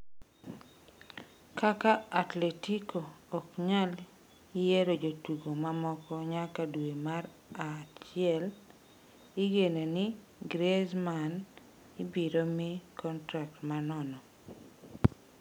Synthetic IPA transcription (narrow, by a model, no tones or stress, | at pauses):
kakaatletikʰoːkɲal | ɪjeɾod͡ʒotuɡomamɔkɔɲakadwemaɾ | at͡ʃɪɛl | ɪɡenenɪ | ɡɾezman | ɪbiɾomɪkɔntɾak̚tmanɔnɔ